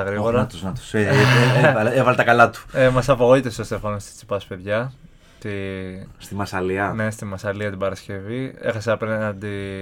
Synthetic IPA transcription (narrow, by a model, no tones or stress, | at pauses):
ɐɣɾiɣoɾɐt̪uznɐt̪u̥seeeɐevɐlet̪ɐkɐlɐt̪u̥emɐsɐpoɣo̞it̪est̪ost̪efɐnost̪i̥t͡si̥pɐspe̞ðʝɐ | t̪ist̪imɐsɐliɐne̞st̪imɐsɐliɐt̪ibɐɾɐsce̞vie̞̰xɐseɐpenɐnd̪i